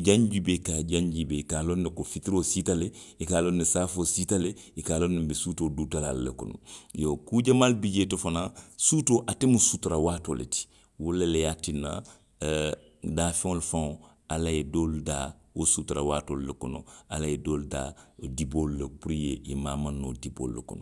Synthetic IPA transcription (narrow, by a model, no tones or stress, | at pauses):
d͡ʒãɲd͡ʒibekad͡ʒãɲd͡ʒibekaːlonːekofitiɾositale | ikaːlonːesaːfositaleikaːlonːebesutoduːtalalːḛkɔno̰jokud͡ʒamaːlbid͡ʒetofanasutoʔatemusutuɾawaːtolḛti̥ | wolelejatinːa̰ | daːfẽŋolufãŋo | alajedoːlda | wosutuɾawaːtoːllekɔnɔalajedoːluda̰dibolulepuɾijeʔimaːmãnːo̰ːdibo̰ːlːekɔ̰nɔ